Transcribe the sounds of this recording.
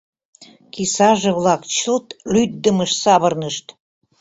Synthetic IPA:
kisɑʒĕβlɑkt͡ɕəlt̪lyt̪̚d̪əməʃsɑβərnəʃt̪

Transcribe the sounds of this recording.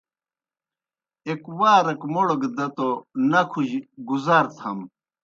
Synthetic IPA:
ekwaːɾɐkmoɽoɡd̪ɐt̪onɐkʰuʑɡuzaːɾt̪ʰɐm

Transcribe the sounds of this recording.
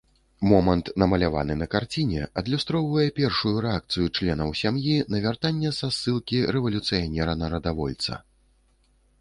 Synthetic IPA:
mɔmɐnt̪nɐmɐlʲava̰nɨnɐkart͡sʲinʲɛɐd̪lʲust̪ɾɔwvɐjɛpʲɛrʂujuɾɛak̚t̪sɨjut͡ʂlʲɛnɐwsʲamjinɐvʲart̪anʲːɛzasːɨlˠkʲiɾɛvɐlʲut̪sɨjanʲɛɾɐnɐɾɐd̪avɔ̰lʲt̪sɐ̰

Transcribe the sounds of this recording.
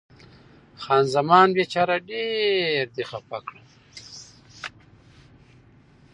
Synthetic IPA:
xɑːnzamɑːnbet͡ʃaɾaɖeɾd̪ixapakɽa

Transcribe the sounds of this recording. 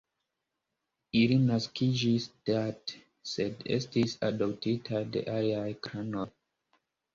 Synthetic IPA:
ilinaskʰid͡ʒisd̥at | se̞de̞̰stisa̰dop̚titʰadḛʔaliajkɾanoj

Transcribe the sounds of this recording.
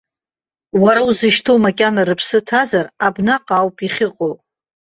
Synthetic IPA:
waɾauzɨʃtʰomakʲʼanarɨpʰsɨtʰazarabnaqʼawpʼiχʲɪqʼow

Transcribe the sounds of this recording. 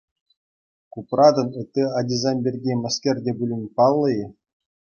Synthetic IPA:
kuprɑd̪ɤ̆nɘ̆t̪ʲːɘɑdʲizɑmʲbʲerʲɡʲemʲɤ̆skʲerʲdʲebʲulʲɘnʲpɑlˠːɤ̆j

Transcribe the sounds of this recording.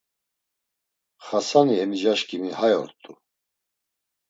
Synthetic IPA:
χasanihɛmid͡ʒaʃkʼimihajɔ̰ɾt̪ʼu

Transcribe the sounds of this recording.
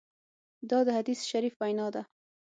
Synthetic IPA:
d̪ɒd̪had̪isʃaɾiːfbajnɑd̪a

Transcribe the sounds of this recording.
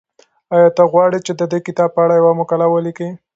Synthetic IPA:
ɑjɑt̪aɣwɑɽit͡ʃed̪əd̪ekɪt̪ɑb̚pəaɽajawamʊkalawəliki

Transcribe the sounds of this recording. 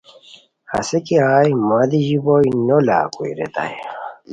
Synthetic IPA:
hɐ̰sekiaːjmad̪iʑibojnola̰ːkuḭɾḛt̪a̰j

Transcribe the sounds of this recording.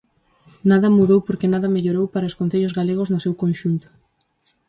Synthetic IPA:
naðɐmuðowpoɾkenaðɐmeʎoɾowpaɾɐoskonθeʎʊzɣaleɣ̞ʊznʊsewkonʃunt̪ʊ̥

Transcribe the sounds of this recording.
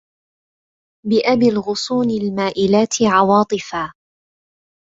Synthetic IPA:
bɪʔabɪlɣʊsˤuːnɪlmaːʔɪlaːt̪ʰɪʕɑwɑːt̪ˤɨfaː

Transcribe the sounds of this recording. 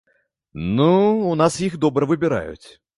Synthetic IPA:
nuːnasixd̪obɾəvɨbʲɪɾa̰jʊ̰t̪ʲ

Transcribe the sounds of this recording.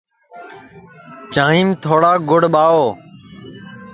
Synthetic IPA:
t͡ʃãːĩːmt̪ʰoːɽaːɡʊɽɓaːoː

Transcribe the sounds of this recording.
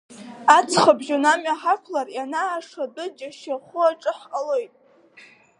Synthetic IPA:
at͡sʰχabʒunamaħakʷʰlarjanaːʂadɨd͡ʒaʃaχʷʊaʈ͡ʂʼɨħqʼalojtʼ

